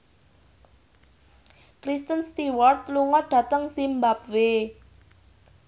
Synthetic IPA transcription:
kɾist̪ənst̪iwɔrt̪luŋɔɖ̥ä̤t̪əŋsimbap̚we

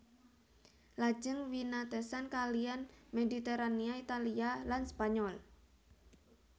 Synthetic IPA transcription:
lḁd͡ʒəŋwinat̪əsankalianmedit̪eɾaniait̪alialanspaɲɔl

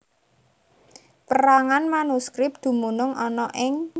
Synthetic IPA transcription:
pəɾaŋanmanuskɾɪp̚d̪̥ṳmunʊŋɔnɔʔɪŋ

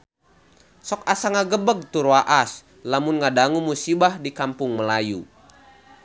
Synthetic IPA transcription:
sɔk̚asaŋaɡəbəɡ̚t̪uɾwaʔas | lamʊnŋadaŋumusibahdikampʊŋməlaju

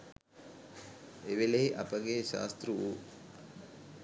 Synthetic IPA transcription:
eʋeleɦiʔɐpəɡeːʃa̰ːst̪ruu

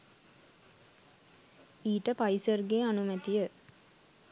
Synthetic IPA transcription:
iːʈəpajisərɡeanumət̪ijə

